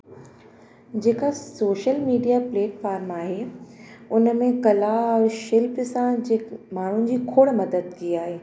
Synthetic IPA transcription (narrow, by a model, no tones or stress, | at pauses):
d͡ʑeːkasoːʃəlmiːɖijapleːʈfaːɾmaːɦeː | ʊnəmẽkɐlaʃɪlpsãd͡ʑemaːɳ̤ʊn̆d͡ʑiːkʰoːɽmɐd̪əd̪̚kiiaːɦeː